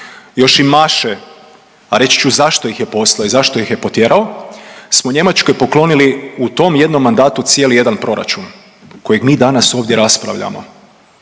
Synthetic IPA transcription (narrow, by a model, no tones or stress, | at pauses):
jo̞ʃimaʃe | aɾe̞t͡ɕt͡ʃuzaʃt̪o̞jixje̞po̞slˠaoizaʃt̪o̞jixje̞po̞t̪je̞ɾʔao̞smoɲe̞mat͡ʃko̞jpo̞klˠo̞niliut̪o̞mje̞d̪no̞mːand̪aːt̪ut̪sije̞lije̞d̪anpɾo̞ɾa̰t͡ʃun | ko̞jeɡmiːd̪anaso̞ːʋd̪je̞ɾaspɾa̰ʋʎa̰mo̞̰